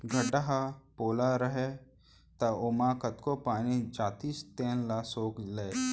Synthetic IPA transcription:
ɡʱəɖəɦapoːlaɾəɦe | t̪ɐoːmãːkət̪kopaːnid͡ʒaːt̪iːst̪eːnlasoːkleː

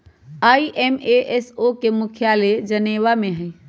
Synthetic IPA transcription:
aiʔemeʔesokemʊkʰjaled͡ʒəneʋamẽɦəj

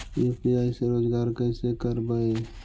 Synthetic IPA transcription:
eːpiaːiseɾoːd͡ʒɡaːɾkə̃ɪsekəɾbaːe

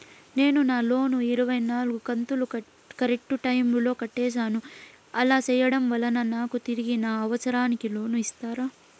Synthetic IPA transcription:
ne̞ːnunaːlo̞ːnuiɾuʋɐjnaːlɡukɐnt̪uluɐ | kɐɾek̚ʈuʈɐjmlo̞ːkɐʈːeːs̬aːnu | ɐlaːsɛːjːɐɽɐmʋɐlɐnɐnaːkut̪iɾiɡinaːɐʋɐsɐɾaːnikilo̞ːnuist̪aːɾa

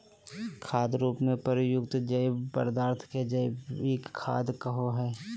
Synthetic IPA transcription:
kʰaːd̪ɾuːpmẽpəɾjʊkt̪d͡ʒɐɪbə̰ɾd̪aːɾt̪ʰked͡ʒəɪbeːkʰːa̰ːd̪kəɦoɦɛː

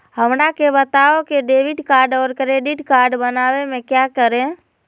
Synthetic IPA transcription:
həmɾakebət̪aokeɖeːʋiʈkaːɾɖɔːɾkɾeːɖiʈkaːɾɖbənaːwemẽkjakəɾẽ

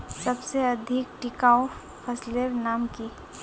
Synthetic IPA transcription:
səbseəd̪ʱɪk̚ʈɪkaːo | pʰəsleɾnaːmki

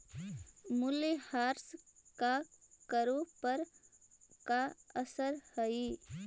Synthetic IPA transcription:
mʊlihaːɾskakəɾõpəɾ | kaəsəɾhəi

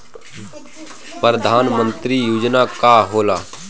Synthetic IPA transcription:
pɾəd̪ʱaːnmə̃nt̪ɾijuːd͡ʒnaːkaːɦoːlaː

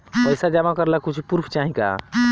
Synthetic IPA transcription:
pəjsad͡ʒamakəɾlakut͡ʃʰupuɾpʰt͡ʃaɦĩka̰

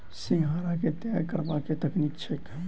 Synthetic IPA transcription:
sɪ̃ŋɡʱaːɾaket̪jaːjkəɾbaket̪ɐkniːkt͡ʃʰek

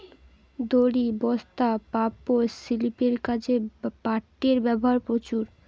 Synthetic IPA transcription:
d̪oɽibɔst̪apapːosilipeɾkat͡ɕʰepaʈːeɾbɛboɦaɾpɾot͡ɕuɾ

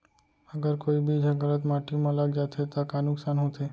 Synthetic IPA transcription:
əɡəɾkoːibʱid͡ʒʱəɡələt̪maːʈimãləɡd͡ʒaːt̪ʰet̪akanʊksaːnɦot̪ʰe

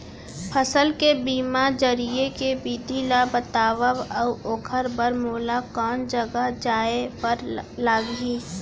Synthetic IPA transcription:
pʰəsəlkebiːmad͡ʒəɾijekebiːd̪ʱilabət̪aːʋəʋəoːkʰəɾbəɾmoːlakɔːnd͡ʒəɡəɦd͡ʒaːepəɾlaːɡiː

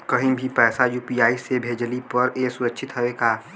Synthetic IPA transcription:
kɐɦĩbʱipɛːsajuːpijaːisebʱeːd͡ʒlipəɾeːsʊɾəːʃʰɪt̪ɦəʋekaː

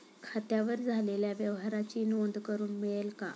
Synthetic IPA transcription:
kʰat̪jaʋəɾd͡zʱaleljaʋjəʋɦaɾat͡ɕinʋond̪kəɾuːnmiɭəlka̰

